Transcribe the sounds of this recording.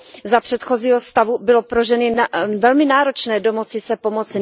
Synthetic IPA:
zapr̥ɛt̪xo̞ziːɦost̪avubɪlopɾoʒɛnɪvɛlmɪnaːɾo̞t͡ʃnɛːdo̞mot͡sɪsɛpo̞mo̞t͡sɪ

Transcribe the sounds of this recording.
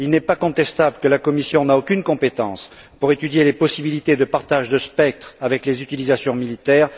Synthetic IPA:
ilnɛpakɔ̃t̪ɛst̪abləkəlakɔmisjɔ̃naokʲynkɔ̃pet̪ɑ̰̃s | puʁet̪yd̪jelepɔsibilit̪ed̪əpaʁt̪aʒd̪əspɛk̚t̪χavɛklezyt̪ilizasjɔ̃milit̪ɛːʁ

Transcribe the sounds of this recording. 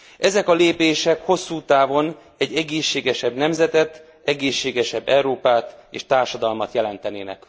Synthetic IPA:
ʔɛzɛkɒleːpeːʃɛkho̞sːuːt̪aːvo̞n | ɛɟːɛɡeːʃːeːɡɛʃɛbnɛmzɛt̪ɛt̪ | ɛɡeːʃːeːɡɛʃɛbːɛuɾoːpaːt̪eːʃt̪aːrʃɒd̪ɒlmɒt̪jɛlɛnt̪ɛneːnɛ̰k

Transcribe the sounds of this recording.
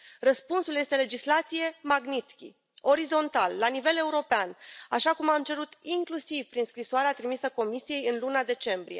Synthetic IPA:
rəspunsulje̞st̪e̞le̞d͡ʒislat̪sije̞maɡnit̪skʲḭ | o̞ɾizo̞nt̪alːanive̞le̞uɾo̞peanaʃakumamt͡ʃe̞ɾut̪iŋklusivpɾinskɾisoaɾeat̪ɾimisəko̞misije̞jɨnlunad̪e̞t͡ʃe̞mbɾḭje̞̰

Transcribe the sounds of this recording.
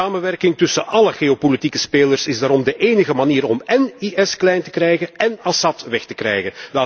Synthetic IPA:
aːmənʋɛrkɪŋtɵsənʔɑləɣeopolitikəspeːlərsɪzdaːɾɔmdəʔeːnəɣəmaniːɾɔmɛniʔɛsklɛjntə̥krɛjɣənɛnɑsɑtʋɛxtə̥krɛ̰jɣəndaː

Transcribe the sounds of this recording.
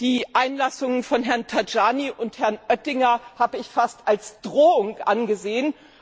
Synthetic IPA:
d̥iːʔaɪnlasʊŋənfɔnɦɛɐntʰad͡ʒaːniʔʊnthɛɐnʔœtɪŋɐhaːbəɪçfastʔalsd̥ʁoːʊŋʔanɡəzeːən

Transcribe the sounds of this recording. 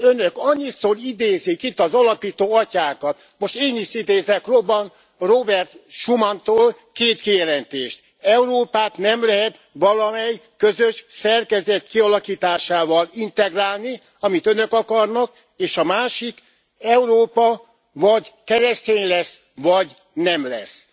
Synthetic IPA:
ønøkɒɲːit̪sorid̪eːzikit̪ːɒzɒlɒpiːt̪oːɒcaːkɒt̪ | mo̞ʃt̪eːniʃid̪eːzɛkrobːɒn | robɛrt̪ʃumɒnt̪oːl | keːt̪kijɛlɛnt̪eːʃt̪ | ɛuɾoːpaːt̪nɛmlɛɦɛt̪ | ʋɒlɒmɛjkøzøʃsɛrkɛzɛt̪kiɒlɒkiːt̪aːʃaːvɒlint̪ɛɡraːlni | ɒmit̪ønø̞kɒkɒrnɒk | eːʃɒmaːʃik | ɛuɾoːpɒ | vɒɟkɛɾɛst̪eːɲlɛs | ʋɒɟ | nɛmlɛ̰s

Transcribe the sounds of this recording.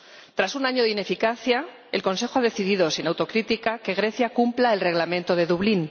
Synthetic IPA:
t̪ɾasunaɲoðine̞fikaθja | elko̞ns̬e̞xoaðe̞θiðiðo̞sinawt̪o̞kɾit̪ikake̞ɣɾe̞θjakumplae̞lre̞ɣlamẽnt̪oð̞e̞ðuβlin

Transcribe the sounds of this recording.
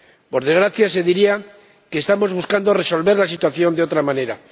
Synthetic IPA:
po̞ɾðe̞zɣɾaθjas̬e̞ðiɾia | ke̞ːst̪amo̞zβuskand̪o̞re̞so̞lβe̞ɾlasit̪waθjo̞nd̪eo̞t̪ɾamãne̞ɾa

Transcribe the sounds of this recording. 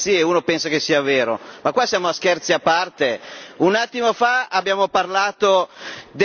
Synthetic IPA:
ieuːnopɛnsakesːiːaveːɾomakːwasjaːmoask̟ɛrt̪siapːart̪eunat̪ːimofaabːjaːmoparlaːt̪od̪

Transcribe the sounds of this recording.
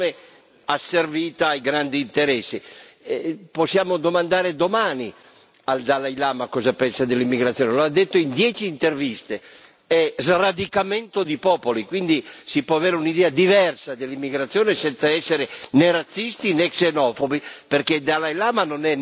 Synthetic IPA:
ne | asːerviːt̪aːjɡɾand̪iːnt̪eɾɛsːi | posːjaːmod̪omand̪aːɾed̪omaːni | ald̪alajlaːmakɔːzapɛnsad̪elːimːiɡɾat̪sjoːneload̪ːet̪ːoind̪jɛːt͡ʃiːnt̪ervist̪e | ɛzrad̪ikamɛnt̪od̪ipɔːpolikwind̪isipwɔaveːɾeunid̪ɛːad̪ivɛrsad̪elːimːiɡɾat̪sːjoːnesɛnt̪saɛsːeɾeneɾat̪sːist̪inɛksenɔfobiperked̪alajlaːmanonɛ

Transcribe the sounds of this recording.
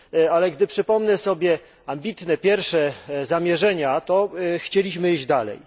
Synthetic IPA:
alɛɡd̪ɘpʂɘpɔmnɛsɔbʲjɛ | ambʲit̪nɛpʲjɛɾfʂɛzamʲjɛʐɛɲat̪ɔxt͡ɕelʲiɕmɘiʑd͡ʑd̪alɛ̰j

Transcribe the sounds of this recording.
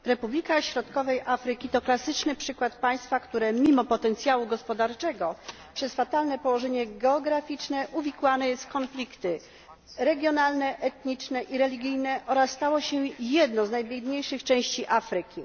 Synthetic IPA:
ɾɛpublʲikaɕɾɔt̪kɔvɛjʔafɾɘkʲit̪ɔklasɘt͡ʂnɘpʂɘkwat̪paj̃st̪fakt̪uɾɛmʲimɔpɔt̪ɛnt̪sʲjawuɡɔspɔd̪aɾt͡ʂɛɡɔ | pʂɛsfat̪alnɛpɔwɔʐɛɲɛɡɛɔɡɾafʲit͡ʂnɛʔuvʲikwanɛjɛst̪kɔnflʲikt̪ɘ | ɾɛɡʲjɔnalnɛʔɛt̪ɲit͡ʂnɛʔiɾɛlʲiɡʲijnɛʔɔɾasːt̪awɔɕɛjɛd̪nɔ̃znajbʲjɛd̪ɲejʂɘxt͡ʂɛ̃w̃ɕt͡ɕiʔafɾɘkʲi

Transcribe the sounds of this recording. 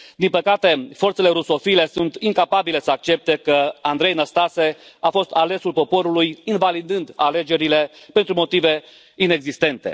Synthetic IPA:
d̪inpəkat̪e̞fo̞rtse̞le̞ɾuso̞file̞sunt̪iŋkapabile̞səak̚t͡ʃe̞p̚t̪e̞kəand̪ɾe̞jnəst̪ase̞afo̞st̪ale̞sulpo̞po̞ɾulujinvalid̪ɨnd̪ale̞d͡ʒe̞ɾile̞pe̞nt̪ɾumot̪ive̞ | ine̞ɡzist̪e̞nt̪e̞̰

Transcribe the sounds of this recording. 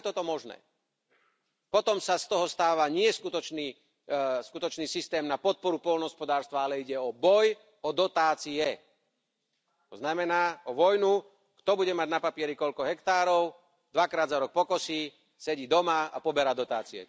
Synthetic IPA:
t̪ɔt̪ɔmɔʒnɛ̰ː | pɔt̪ɔmsast̪ɔɦɔst̪aːʋaɲɪɛskut̪ɔt͡ʃniː | skut̪ɔt͡ʃniːsist̪ɛːmnapɔt̪̚pɔɾupɔlnɦɔspɔd̪aːɾst̪ʋaalɛiɟɛɔbɔj | ɔd̪ɔt̪aːt͡siɛ | t̪ɔznamɛnaːɔʋɔjnu | kt̪ɔbuɟɛmaɟnapapɪɛɾikɔʎkɔɦɛkt̪aːɾɔʊ | d̪ʋakɾaːd̪zaɾɔk̚pɔkɔsiː | sɛɟiːd̪ɔmaa̰pɔbɛɾaːd̪ɔt̪aːt͡siɛ̰

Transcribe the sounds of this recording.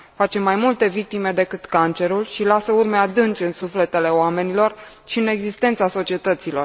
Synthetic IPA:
fat͡ʃe̞majmult̪e̞vik̚t̪ime̞d̪e̞kɨt̪kant͡ʃe̞ɾulʃilasəurmead̪ɨnt͡ʃɨnsufle̞t̪e̞le̞oame̞nilo̞r | ʃiɨne̞ɡzist̪e̞nt̪saso̞t͡ʃie̞t̪ət̪silo̞r

